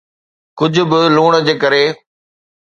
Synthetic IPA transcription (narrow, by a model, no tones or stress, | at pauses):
kʊd͡ʑʱʊ̆bɪluːɽ̃əd͡ʑeːkəɾeː